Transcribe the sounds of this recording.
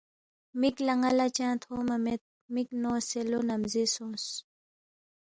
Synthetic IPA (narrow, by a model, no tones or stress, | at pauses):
miklɐŋalat͡ɕãːt̪ʰhoːmɐmet̪̚ | miknoːselonɐmzisõːs